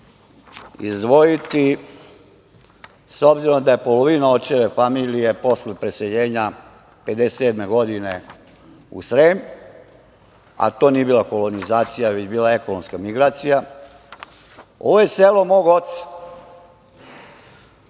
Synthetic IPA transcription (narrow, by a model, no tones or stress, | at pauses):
ḭzd̪ʋo̞jit̪i | so̞bziɾo̞md̪aje̞po̞lo̞ʋinaot͡ʃeʋe̞famiːlije̞po̞slepɾese̞ʎeːɲa | ped̪eseːd̪me̞ɡo̞d̪ine | ṵsɾeːm | a̰t̪o̞ːniebiːlako̞lo̞nizaːt̪sijaʋet͡ɕbiːlae̞konomskamiɡɾaːt̪sija | o̞̰ʋoje̞seːlo̞mo̞ːɡo̞t̪sḁ